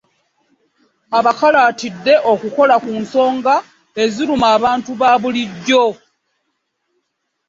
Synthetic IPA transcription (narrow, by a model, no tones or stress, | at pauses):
aβakalaːtidːe̞ʔo̞kuko̞lakuːnso̞ːŋɡa | e̞ziɾumaːβaːntuβaːβuliɟːo̞